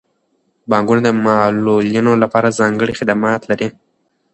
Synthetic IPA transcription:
bɑŋɡunod̪əmɑloljinolapɑɾazɑŋɡəɽixɪd̪amɑt̪laɾi

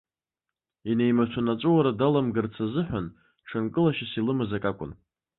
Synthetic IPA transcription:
ine̞jmat͡ʃʷʰanat͡ʃʷʼuwaɾadalamɡɨrt͡sʰazɨħʷᶣan | ʈ͡ʂʰankʼɨlaʃasilɨmazakʼakʷʼʊ̰n

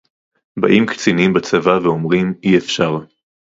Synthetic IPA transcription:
ba̰ʔimkt͡sinimbat͡savaveomʁimiefʃaʁ

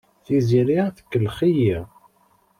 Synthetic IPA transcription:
θiziɾiaθə̥kːəlχiji

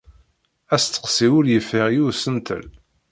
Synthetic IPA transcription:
æst̪ːə̥qsiwʊljəfəʁjusənt̪ə̰l

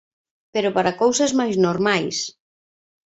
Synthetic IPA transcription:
peɾopaɾakowsɐzmajznoɾmajs

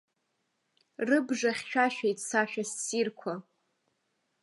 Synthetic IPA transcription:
rɨbʐaχʲʃᶣaʃᶣajtʼsaʃᶣassirkʷʰa

